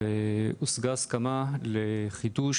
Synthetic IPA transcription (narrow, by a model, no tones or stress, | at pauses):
usɡaskamaleχiduʃ